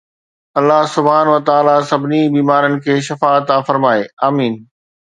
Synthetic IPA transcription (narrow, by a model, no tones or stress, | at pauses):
ɐlːaɦsʊbʱɦaːnʋɐt̪aːlasɐbʱnibiːmaːɾənɪ̆kʰeːʃɐfaːt̪aːfəɾmaːeaːmiːn